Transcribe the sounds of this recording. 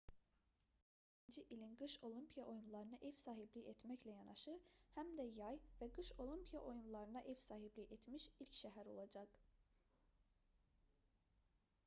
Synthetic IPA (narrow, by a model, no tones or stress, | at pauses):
i | ind͡ʒiʔilʲinɡɯʃo̞lˠimpʰijaʔo̞junlˠɑɾɯnɯʔɛvsaːɦiblʲiɛt̪mɛclʲɛjɑnɑʃɯhæmd̪ɛjɑjvɛɡɯʃo̞lʲˠimpʰijaʔo̞junlˠɑɾɯnɑʔevsaːɦiblʲiʔet̪miʃilʲcʃɛɦæɾo̞lˠɑd͡ʒɑk